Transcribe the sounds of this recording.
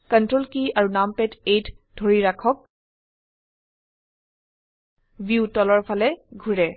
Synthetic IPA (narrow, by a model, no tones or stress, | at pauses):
kəntɹolkiaɹunampɛtet | dʱoɹiɹakʰɔk̚ | bjutɔlɔɹpʰalɛɡʱuɹɛ